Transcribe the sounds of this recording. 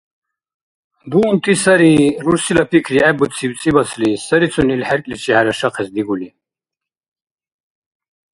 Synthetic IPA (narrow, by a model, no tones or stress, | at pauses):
d̪uunt̪ʰʼisaɾiɾuɾsilapʰikʰɾiɛbut͡sʰibt͡sʼibasʰlisɐɾit͡sʰunilħɛɾkʼlit͡ʃʰihaɾaʃaqʰɛsd̪iɡuli